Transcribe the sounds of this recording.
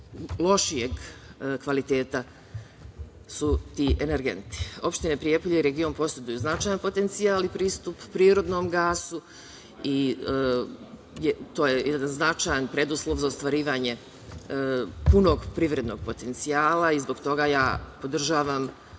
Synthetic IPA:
lo̞ʃijeɡkʋalit̪e̞ːt̪a | sut̪iːʔeneɾɡe̞̰nt̪i̥o̞pʃt̪ine̞pɾijepoʎeiɾe̞ɡio̞npo̞sjed̪ujuznat͡ʃaːjanpo̞t̪ent̪siaːlipɾiːst̪upːɾiːɾo̞d̪no̞mɡaːsu | i | jt̪oːjejɛd̪anznat͡ʃajanpɾe̞d̪uslˠoʋzaost̪ʋaɾiːʋaːɲe̞ | puno̞ːɡpɾiʋɾe̞d̪no̞ɡ̚po̞t̪e̞nt̪siaːlaizbo̞ɡt̪o̞ɡajaːpo̞d̪r̩ʒaːʋam

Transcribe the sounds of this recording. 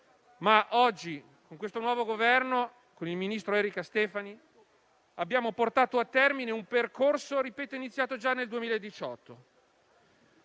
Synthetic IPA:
maʔɔd͡ʒːi | koŋkwest̪onwɔːvoɡovɛrno | konilminist̪ɾoɛːɾikast̪ɛːfani | abjaːmoport̪aːt̪oat̪ːɛrmineumperkorsoɾipɛːt̪oinit̪sjaːt̪od͡ʒanːeld̪uemiːlaed̪ːit͡ʃɔt̪ʰːo

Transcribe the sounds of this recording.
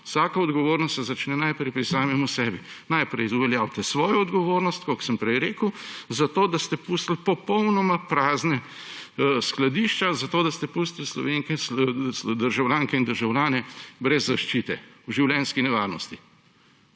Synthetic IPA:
ʊsaːkɐɔd̪ɡɔʋoːɾnɔst̪sɛzat͡ʃnɛnajpɾɛjpɾisaːmɛmusɛːbinajpɾɛjuʋɛljaːwt̪ɛsʋɔːjɔɔd̪ɡɔʋoːɾnɔst̪kɔksəmpɾɛjɾeːkəwzat̪oːd̪ast̪ɛpust̪lpɔpɔwnɔmapɾaːznɛ | sklad̪iːʃt͡ʃazat̪oːd̪ast̪ɛpust̪lslɔ̰ʋeːŋkɛsd̪əɾʒawlʲjaːŋkɛind̪əɾʒawlʲaːnɛbɾɛzːaʃt͡ʃit̪ɛwʒiwlʲɛnskinɛʋaːɾnɔst̪i

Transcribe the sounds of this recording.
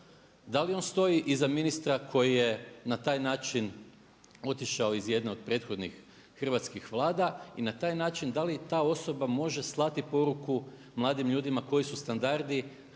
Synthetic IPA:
d̪alio̞nst̪o̞jiʔizaminist̪ɾakʰo̞jije̞nat̪aːjnaːt͡ʃin | o̞t̪iʃao̞izje̞d̪neod̪̚pɾe̞ːt̪xo̞d̪nixː | r̩ʋat̪skixʋlˠaːd̪ainat̪aːjnaːt͡ʃind̪alit̪aːo̞so̞bamo̞ʒe̞slˠat̪ipo̞ɾuku | mlˠaːd̪imʎuːd̪imako̞jisust̪and̪aɾd̪i

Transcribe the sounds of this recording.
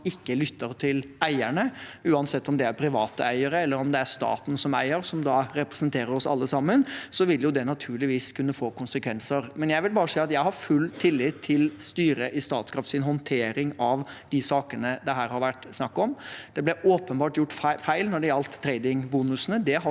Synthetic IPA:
ɪkːəlʏt̪ːəɾt̪ʰɪlæɪæɳəʉːɑnsɛt̪ːɔmd̪ɛæɾpʰɾɪʋɑ̰ːt̪əæɪəɾəɛlːəɾɔmd̪ɛæɾst̪ɑ̰ːt̪n̩sɔmæ̰ɪəɾsɔmd̪ɑɾɛpɾɛsənt̪ʰeːɾəɾɔsɑ̰lːəsɑmːənsɔʋɪljʊd̪ɛnɑt̪ʰʉːɭɪʋiːskʰʉnːəfoːkʊnsəkʋɛnsəɾmɛnjæɪʋɪlbɑːɾəsiːɑt̪jæɪɦɑɾfʉlːt̪ʰɪlːɪt̪ʰːɪlst̪yːɾəʔɪst̪ɑ̰ːt̪skʰɾɑft̪sɪnɦɔnt̪ʰeːɾɪŋɑʋd̪̥ɪsɑːkənəd̪ɛɦæːɾhɑɾʋæʈːsnɑkːɔmd̪̥ɛblɛʔoːpənbɑːʈjʊʈːfæɪlnɔɖɛjɑlt̪ʰːɾeɪd̪ɪŋbuːnʉsnəd̪ɛɦɑ

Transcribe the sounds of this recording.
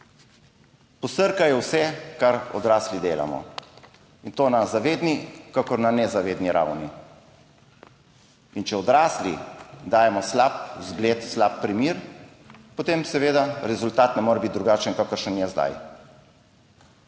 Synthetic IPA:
pɔsəɾkajɛwsɛkaɾɔ̰d̪ɾaːslid̪eːla̰mɔ̰ | int̪oːnazaʋeːd̪nikakɔɾnanɛzaʋeːd̪niɾa̰wni | int͡ʃɛɔd̪ɾaːslḭd̪aːjɛmɔslap̚zɡlet̪slap̚ːɾimiːɾ | pɔt̪eːmsɛʋeːd̪aɾɛzult̪aːt̪nɛmoːɾɛbit̪̚d̪ɾuɡaːt͡ʃənkakəɾʃənjɛzd̪a̰j

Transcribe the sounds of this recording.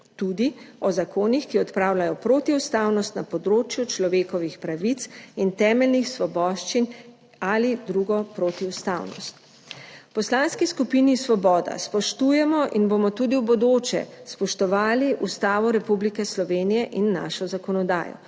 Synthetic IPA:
t̪ud̪iɔzakʰoːnixkiɔt̪pɾaːwlajɔpɾoːt̪iwst̪awnɔst̪napɔd̪ɾoːt͡ʃjut͡ʃlɔʋeːkɔʋixpɾaʋit̪sint̪ɛːmɛlnixsʋɔbɔʃt͡ʃin | alid̪ɾuɡɔpɾot̪iwst̪awnɔ̰st̪ | pɔslanskiskupinisʋɔbɔːd̪a̰spɔʃt̪ujɛmɔʔinbomɔt̪uːd̪iwbɔd̪oːt͡ʃɛ̰spɔʃt̪ɔʋaːliʔust̪aːʋɔɾɛpublikɛslɔʋeːnijɛʔinːa̰ʃɔzakɔnɔd̪a̰ːjɔ̰

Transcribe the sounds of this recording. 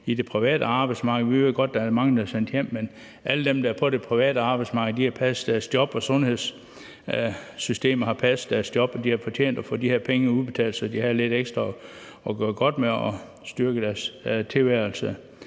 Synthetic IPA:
id̥e̝pʰʁiʋɛ̰ːd̥əɑ̈ːb̥ɑ̈ɪd̥smɑ̈ːɡ̥ð̩ˠʋiʋe̝ð̰ˠɡ̥ɒ̽d̥̚ːææmɑ̈ŋ̩d̥æɐsen̰d̥jem̰ːen | ʔæləd̥emd̥ææɐpʰɒ̽ɾe̝pʰʁiʋɛ̰ːɾəɑ̈ːb̥ɑ̈ɪdsmɑ̈ːɡð̩ˠd̥ihæpʰæsd̥æɐsd̥jɒ̽b̥ɒ̽sɔ̽nhe̝ð̰ˠs | sysd̥e̝̰ːmɐhɑ̈pʰæsd̥æɐsd̥jɒ̽b̥ɒ̽d̥ihɑfɒ̽t͡ɕʰḛːn̰d̥ɒfo̰ːd̥ihe̝ɐpʰeŋəuðˠb̥e̝t͡sʰɛ̰ːlsɒ̽d̥ihæðle̝d̥eɡ̥sd̥ʁɐ | ɒɡ̥ɶɐɡ̥ɒ̽d̥meɒ | sd̥yɐɡ̥əd̥æɐst͡sʰe̝lʋæɐl̩sə

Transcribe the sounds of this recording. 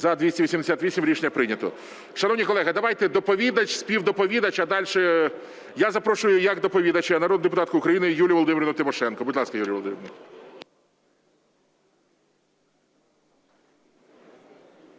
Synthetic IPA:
zɐd̪ʋʲisʲtʲiʋisʲimd̪esʲat̪ʋʲisʲimɾʲit͡ʃnʲɐpɾɪnʲɐt̪ɔ̰ | ʃɐnɔwnʲikɔlˠɛɦɐd̪ɐʋajt̪ɛd̪ɔpɔʋʲid̪ɐt͡ʃʲsʲpʲiwd̪ɔpɔʋʲid̪ɐt͡ʃɐd̪ɑlʲʃɛ | jazɐpɾɔʃʊjʊjɐɡd̪ɔpɔʋʲid̪ɐt͡ʃɛnɐɾod̪d̪epʊt̪ɑt̪̚kʊʊkɾɐjinɪjulʲijʋɔlˠɔd̪ɪmʲɪɾɔnʊt̪ɪmɔʃɛnkɔbʊdʲlˠɑskɐjulʲiʋɔlˠɔd̪ɪmɪɾn

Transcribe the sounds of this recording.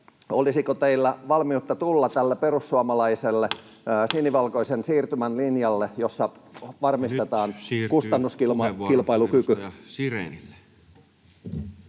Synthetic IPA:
olisikot̪eilːæʋɑlmiut̪ːɑt̪ulːɑt̪ælːeperusːuɑmɑlɑiselːe | siniʋɑlkoisensiːrt̪ymænlinjɑlːejosːɑʋɑrmist̪et̪ɑːnkust̪ɑnːuskiilpɑilukyky

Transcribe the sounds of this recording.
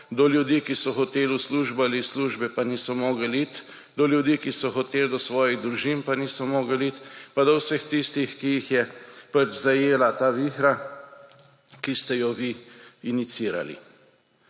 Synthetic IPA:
d̪ɔljud̪iːkisɔxɔt̪eːlusluːʒbalisluːʒbɛpaniːsɔmɔːɡəlit̪ | d̪ɔljud̪iːkisɔxɔt̪eːld̪ɔsʋɔːjiɣd̪ɾuʒimpanisɔmɔːɡəlit̪pad̪ɔwsəxt̪ist̪ixkijixjɛpɐt͡ʃzajeːlat̪aːʋixɾa | kist̪ɛjɔʋiːnit̪siːɾa̰lḭ

